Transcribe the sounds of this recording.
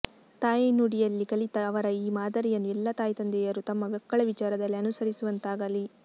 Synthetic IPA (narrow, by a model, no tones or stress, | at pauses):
t̪aːjinuːɽijɐlːikɐlit̪ɐːʋɐɾɐiːmaːd̪ɐɾijɐnːuɛlːɐt̪aːjt̪ɐnd̪ɛjɐɾut̪ɐmːɐɡɐkːɐɭɐʋit͡ʃaːɾɐd̪ɐlːiɐnusɐɾisuʋɐnt̪aːɡɐli